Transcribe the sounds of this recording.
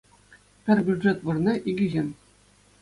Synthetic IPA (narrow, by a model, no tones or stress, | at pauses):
pʲɘ̆rʲbʲuʐet̪ʋɯrnʲeʔiɡʲiʑʲenʲ